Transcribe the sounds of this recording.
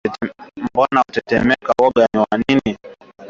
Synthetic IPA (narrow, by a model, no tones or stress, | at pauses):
mbɔnautɛtɛmɛkawɔɠaniwanini